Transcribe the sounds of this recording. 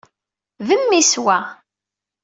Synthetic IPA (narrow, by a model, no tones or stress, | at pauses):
vəmːiswæ